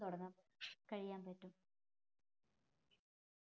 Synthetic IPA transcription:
t̪uɽɐnːɐmkɐɻijaːmpɐtːum

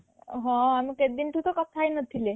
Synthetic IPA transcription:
ɦɔ̃amĩked̪inʈ̪ut̪ɔkəp̚t̪ʰajnət̪ʰile

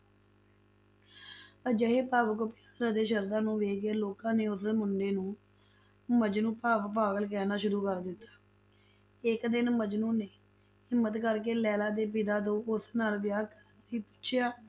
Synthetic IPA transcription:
əd͡ʒəɦeːpaːʋkʊpjaːsɾəd̪eːʃəɾd̪aːnũːʋeːɡeːloːkãːneːʊsmʊɳɖeːnũː | məd͡ʒnũːpaːʋpaːɡəlk̬ɛːnaːʃʊɾuːkəɾd̪ɪt̪ːḁː | ɪkd̪ɪnməd͡ʒnũːneː | hɪmːət̪kəɾk̬eːlɛːlaːd̪eːp̬ɪd̪aːt̪õːʔʊsnaːlʋɪjaːkəniːpʊ̥t͡ʃʰjaː

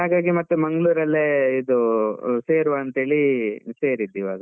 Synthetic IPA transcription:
ɦaːɡaːɡimɐt̪ːumɐŋɡɭuːɾɐlːeːid̪useːɾʋaːnt̪ɦeːɭise̞ːɾid̪ːiʋa̰ːɡɐ

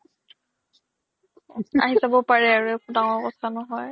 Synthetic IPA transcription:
a̰ɦisabɔpaɹɛaɹuɛkʰudaŋɔɹkɔtʰanɔɦɔj

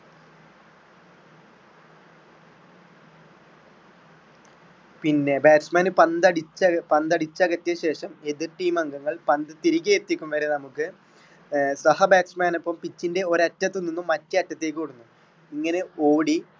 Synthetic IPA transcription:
pinːe̞baːʈsmaːnɨpɐnd̪ɐɽit͡ɕːɐpɐnd̪ɐɽit͡ɕːɐɣɐtːɐɕe̞ːʂɐme̞ðirʈiːmɐŋɡɐŋːɐɭpɐnd̪ɨt̪iɾikʲːɐjet̪ːikʲːumʋɐɾenɐmukːɨ | sɐhɐbaːʈsmaːnɐpːɐmpit͡ɕːinde̞o̞ɾɐtːɐt̪ːɨnːinːumːɐtːɨɐtːɐt̪ːeːkuːɽunːu | iŋːɐne̞o̞ːɽi

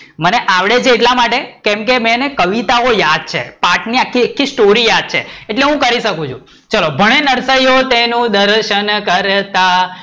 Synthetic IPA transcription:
məneʔaʋɽed͡ʒeʈlamaʈekẽmkemɛ̃nekəʋit̪aojad̪̚t͡ʃʰḛpaɾʈniakʰːiekʰːisʈoɾijad̪̚t͡ʃʰeːʈleɦũkəɾiʃəkũt͡ʃʰṵ̃ | t͡ʃəlobʱəɽ̃enəɾsəjot̪enũd̪əɾʃənkəɾt̪a

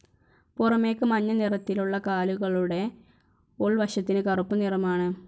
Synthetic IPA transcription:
purɐme̞ːkːɨmɐɲːɐnirɐt̪ːiluɭːɐkaːluɣɐɭuɽe̞ | oɭʋɐɕɐt̪ːinɨkɐrupːunirɐmaːɳɨ

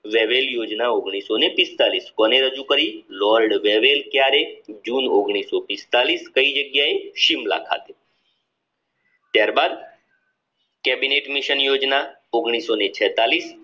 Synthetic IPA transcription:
ʋeʋeljoːd͡ʒnaoɡɽ̃iːsonepɪst̪aːliːskɔneɾəd͡ʒukəɾilɔːlɖʋeʋelkjaːɾed͡ʒuːnoɡɽ̃isopɪst̪aliːskəid͡ʒəɡjaeʃimla̰kʰa̰ːt̪e | t̪jaːɾbaːd̪ | kɛbineʈmiʃənjoːd͡ʒna | oɡɽ̃iːsonet͡ʃʰɛːt̪aliːs

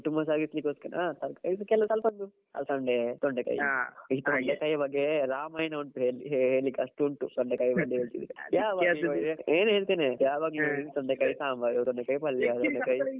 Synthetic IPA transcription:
t̪umbɐs̬aːɡislikːoːskɐnat̪ɐɾkɐjskɛlːɐsɐlpɐnd̪u | ɐ̰lsɐɳɖet̪oɳɖekɐ̰jiːt̪oɳɖekɐjbɐɡːeɾaːmɐːjnɐuɳʈuɦeːeɦeːɭikɐsʈuɳʈut̪oɳɖekɐjbɐɡːeɦeːɭt̪ḭd̪iɾijaːʋaeːnɦe̞ːɭt̪iːnejaːʋaːɡt̪oɳɖekɐjsaːmbɐɾut̪oɳɖekɐjpɐlːjat̪ɔɳɖekɐj

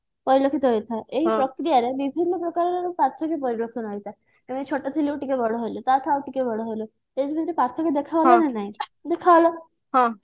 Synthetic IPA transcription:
pɔɾilokʰit̪ɔɦɔjt̪ʰaʔeɦipɾɔkɾijaɾebibʱinːɔpɾɔkaɾɔɾeɾupaɾt̪ʰɔkepɔɾilokʰinɦɔjt̪a | eʋ̃t͡ʃʰoʈat̪ʰiliʈikebɔɽoɦolot̪aʈʰaaʋʈikebʱɔɽɔɦolo | ed͡ʒbʱit̪ɾepaɾt̪ʰɔked̪ekʰaʋlɔnenaɦĩd̪ekʰaʋlɔ | ɦã

